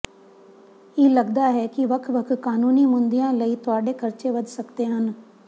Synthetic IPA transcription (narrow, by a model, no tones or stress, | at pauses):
iːlɐɡd̪aɦɛkiʋɐkʰʋəkʰkaːnuːnimʊ̃nd̪ijãləit̪ʊaːɖekɐɾt͡ʃeʋəd̪ʱsɐkt̪eɦən